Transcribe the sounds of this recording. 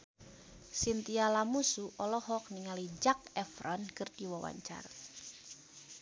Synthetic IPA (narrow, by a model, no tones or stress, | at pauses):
sint̪ialamusuʔɔlɔhɔk̚niŋalid͡ʒak̚ɛfɾɔnkɨrdiwawa̰ɲt͡ʃa̰r